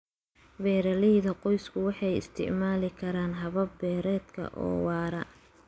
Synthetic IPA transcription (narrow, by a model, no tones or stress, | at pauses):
bɛːɾɐlɪðɐqɔjskʰʊwɑħɑjɪ̰st̪ʰɪ̰ʕmaːlɪkʰɐɾaːnɦɐβɐbbɛːɾɛːd̪kʰɐ̰ʔɔ̰ːwɑːɾɐ̰